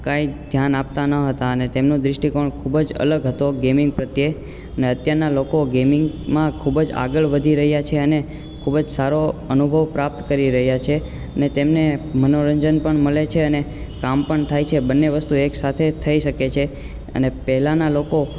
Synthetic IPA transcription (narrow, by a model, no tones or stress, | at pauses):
kaid̪ʱjanap̚t̪anəɦət̪aənet̪emnõd̪ɾɪʃʈikoɳkʰubd͡ʒə̰ləɡɦət̪oɡemɪ̃ŋɡ̚pɾət̪je | əneət̪jaɾnalokoɡemɪŋɡmãkʰubd͡ʒa̰ɡəɭʋəd̪ʱiɾəɦjat͡ʃʰeəne | kʰubəd͡ʒsaɾoənubʱəʋpɾap̚t̪kəɾiɾəɦjat͡ʃʰe | ənet̪emnemənoɾəɲd͡ʒənpəɳməlet͡ʃʰeəne | kampəɳt̪ʰajt͡ʃʰebənːeʋəst̪ueksat̪ʰet̪ʰəiʃəket͡ʃʰe | ə̰nepɛɦɛlanaloko